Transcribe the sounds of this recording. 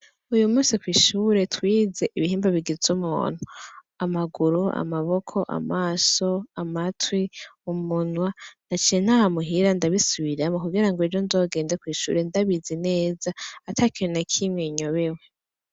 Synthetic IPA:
ujumuːsikwiːʃuːɾe̞twiːze̞ʔiβihiːmbaβiɡizumṵːn̥hu | amaɡuɾua̰maβo̞kʰo̞ʔa̰maːso̞amatwiumunwanat͡ʃijen̥hahamuɦiɾandaβisuβiɾamokuɡiɾaŋɡwed͡ʒonzo̞ːɡe̞ːndekwiːʃṵɾe̞ndaβizine̞ːzaːtʰakiɾenakʰimŋeɲo̞βe̞we̞

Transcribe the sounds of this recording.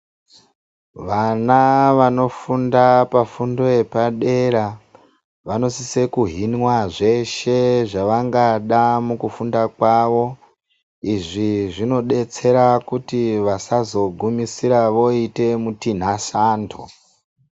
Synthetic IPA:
ʋanaʋano̞fundapafundo̞epaɗe̞ɾa | ʋano̞sisekuɦinwaʐe̞ʃe̞ʐaʋaŋɡaɗamukufundakwaʋo̞ | iʐiʐino̞ɗe̞t͡se̞ɾakutiʋasazo̞ɡʱumisiɾaʋo̞ite̞mutin̤asaːntʰo̰

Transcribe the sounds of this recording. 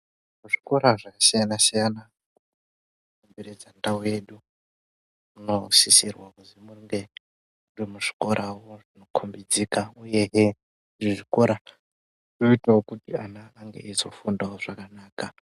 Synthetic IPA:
muʐi̥ko̞ɾaʐakasijanasijana | ku | kokombeɾed͡zandauweɗu | uno̞sisirwakuzimuŋɡe | udimuʐi̥ko̞ɾʔawoʐino̞kʰombid͡zikauje̞ɦe | ʐiʐikoɾa | noitawokutianaːŋɡe̞̰ʔizo̞fundawoʐ̥akanaːka

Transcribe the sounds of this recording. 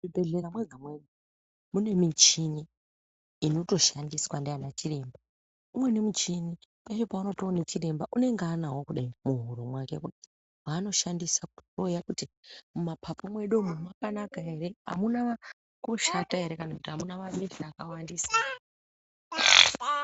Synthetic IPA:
ibeɮeɾamweɡʱamweɗu | mune̞mit͡ʃini | ino̞to̞ʃandiswandeanat͡ʃire̞mba | umwe̞ne̞mut͡ʃinipat͡ʃo̞pauno̞toːnet͡ʃire̞mbaʔune̞ŋɡanaɦwokuɗaimuɦuɾumwake̞kuti̥ | wano̞ʃandisakuojakutimumapʰapomwe̞ɗomumapanaɡʱaeɾe̞ɦa̰muna | koʃataɦe̞ɾe̞kanakutiɦamunamamiɬakawandiːsa

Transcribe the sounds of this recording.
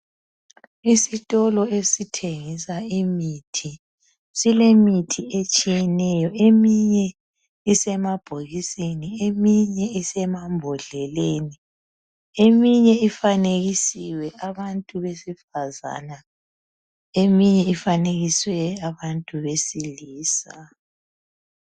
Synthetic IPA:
isitʼɔlɔesitʰeŋisaimitʰi | silemitʰiet͡ʃʼijɛnɛjɔʔemiɲɛ | isɛmab̥ʱoɣisiniemiɲɛisɛmambʱɔɮɛleːni | emiɲɛifaneɣisiwɛʔaβantʼuβesifaza̰na | emiɲɛifaneɣiswɛaβantʼuβesiliːsa̰

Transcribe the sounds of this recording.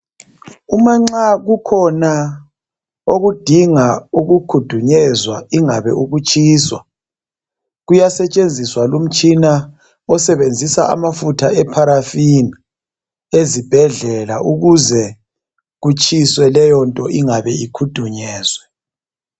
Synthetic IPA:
umaŋ͡ǀaɣukʰɔna | oɣud̥ʱiŋauɣukʰud̥ʱuɲɛzwaiŋaβɛ̰uɣut͡ʃʰʼiːswa | ɣujasɛt͡ʃʼend͡zʱiswalum̩t͡ʃʼina | ɔsɛβend͡zʱisa̰ʔa̰mafutʰaɛpʰaɾafini | ezib̥ʱɛɮɛlaʔuɣuzɛ | ɣut͡ʃʼʰiswɛlɛjɔntʼɔʔiŋaβɛikʰud̥ʱuɲɛːzwɛ

